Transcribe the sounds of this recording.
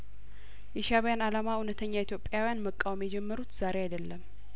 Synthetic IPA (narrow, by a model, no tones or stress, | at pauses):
ʔɛʃaβjanalamaunət̪ʰəɲːait̪ʰjo̞pʼjawijanməkʼːawmjɛd͡ʒɛmːəɾut̪z̥aɾeajd̪əlːəm